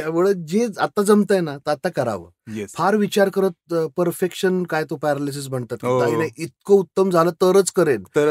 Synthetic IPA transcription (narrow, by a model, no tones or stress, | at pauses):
t̪jaʋəɭəd͡ʑẽat̪ːad͡zəmt̪əjnat̪əat̪ːakəɾa̰ʋə̰ | jefʰaɾʋit͡ɕaɾkəɾət̪̚pəɾfekʂənkajt̪opaɾalisəsbəɳt̪at̪kiaɦinajʔit̪̚kout̪ːəmd͡zʱalət̪əɾət͡skəɾenəɾ